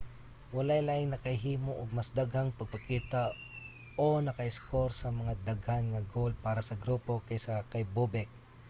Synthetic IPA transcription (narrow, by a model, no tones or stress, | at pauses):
wɐlajlajɪŋnɐkɐhɪɦiːmoʔoɡ̚masd̪aɡhaŋpɐɡ̚pɐkiːt̪a | ʔonɐkɐɪskoɾsɐmɐŋad̪aɡhanŋɐɡol̚paːɾɐsɐɡɾuːpo̞kajsakajbubɛk̚